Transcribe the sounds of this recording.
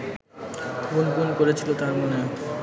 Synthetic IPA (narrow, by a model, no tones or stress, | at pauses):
ɡunɡunkoɾet͡ɕʰilot̪aɾmone